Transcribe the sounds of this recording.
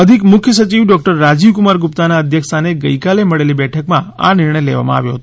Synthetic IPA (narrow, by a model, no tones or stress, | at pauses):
əd̪ʱikmʊkʰjəsət͡ʃiʋɖɔk̚ʈəɾːad͡ʒiʋkumaɾɡupt̪anaəd̪ʱjəkst̪aneɡəjkaleməɭelibɛʈʰəkmãa̰nɪɾɳəjlḛʋa̰mã̰a̰ʋjo̰ɦət̪o